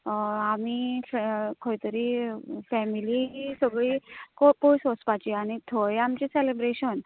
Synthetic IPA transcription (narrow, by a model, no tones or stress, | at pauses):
amifkʰəjt̪əɾifɛmiliɦisəɡɭikopojsospat͡ɕiaɽ̃it̪ʰojamt͡ɕiselebɾeɕən